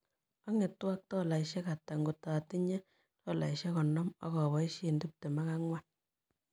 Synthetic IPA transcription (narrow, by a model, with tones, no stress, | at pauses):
ɔ˦ŋe˨tːwa˦k̚tɔ˦la˨iʃɛ˦ka˨ta˨ŋɡo˨ta˨ti˦ɲɛ˦ | tɔ˦˨la̰˨i˨ʃɛ˦kɔ˨nɔ˦mɔ̰˦kɔ˨βɔ˨˦i˦ʃe˦˨ndu˦p̚te˨ma˦ka˦ŋwa˦